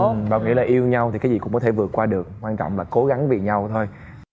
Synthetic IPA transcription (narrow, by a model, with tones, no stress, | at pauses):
ɓa̰ː˧˨wŋḭ˧˥laː˨˩ʔi˧əwɲa˧wt̪ʰi˨˩kaː˦zi˨˩kʊ̰˧˥ŋ͡mkɔ˦t̪ʰe˧˩vɨ˨˩ət̚kwaː˧ɗɨ˨˩ək̚ːwaː˧nt͡ɕɔ̰˧˨ŋ͡mlaː˨˩ko˨˦ɣa˨˦ŋve˨˩ɲa˧wt̪ʰo˧j